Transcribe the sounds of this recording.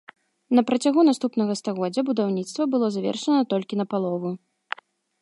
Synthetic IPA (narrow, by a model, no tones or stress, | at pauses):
nɐpɾɐt͡sʲaɣunast̪upnɐɣɐst̪aɣɔd͡zʲːɐbud̪awnʲit̪st̪vɐbɨlˠɔzavʲɛ̰rʂɐnɐt̪ɔlʲkʲinɐpalˠɔvu